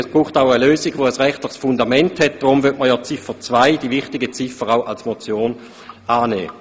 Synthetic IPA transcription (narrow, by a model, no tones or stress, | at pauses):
ɛsb̥ʁuːχtaʊəløːsɪɡʋoəsʁɛχtlɪχsfʊndamɛnthɛt̚d̥ʁʊmvytməjɔt͡sɪfət͡svaɪd̥ivɪχtɪɡət͡sɪfəʁaʊʔalsmot͡sjoːn | aːnɛ̰ː